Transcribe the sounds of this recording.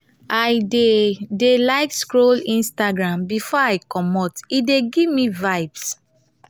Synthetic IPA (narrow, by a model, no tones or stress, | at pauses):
ajdedelaɪkskɹolĩnstaɡɹãmbifɔaɪkɔmɔtideɡivmĩvajbs